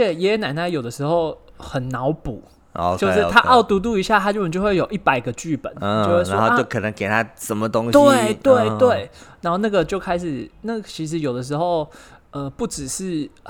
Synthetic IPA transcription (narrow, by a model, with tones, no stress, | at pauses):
ə˥t͡ɕʰjɛ˨˩jɛ˧˥˧na˨˩ɪna˥˩ɪjo˨˩ʊd̪ə˦ʂɻ̩˧˥xo˥˧ʊ | xə˨˩nnɑ˧˦ʊpṵ˨˩˦ | t͡ɕjo˥˧ʂɻ̩˥t̪ʰa˦ʔɑ˥˩ʊt̪u˧˥t̪̬u˥˧i˧˥ɕja˥˨t̪ʰa˥t͡ɕy˥˩pə˨˩t͡ɕjo˥˧xwe˥˩ɪjo˨˩ʊʔi˥˩pa˨˩ɪɡə˦t͡ɕy˥˩pə̰˨˦no˥˧xwwo˥˧˥t͡ɕo˥˩ʊkʰɤ˨˩nə˧˦ŋke˨˩ɪt̪ʰa˦ʂə˨˦mə˨t̪o˦ŋɕt̪e˥˩ɪt̪we˥˨˩ɪt̪we˥˩ɪna˧˦˥xo˥˧ʊna˥˩ɡə˨t͡ɕjo˥˧ʊkʰa˥ɪʂɻ̩˨˩na˥˩ɡt͡ɕʰi˧˥ʂ̬ɻ̩˧˦jo˨ʊd̪ə˩ʂ̬ɻ̩˧˥xo˥˧ʊ | ə˧pu˥˩ʈ͡ʂɻ̩˨˩ʂɻ̩˥˩